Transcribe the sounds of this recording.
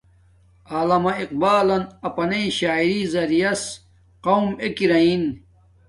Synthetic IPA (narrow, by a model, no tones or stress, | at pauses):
aːlɐmɐiq̚baːlɐnɐpɐnɐiɕaːiɾizɐɾijɐs | qɐwmekiɾɐin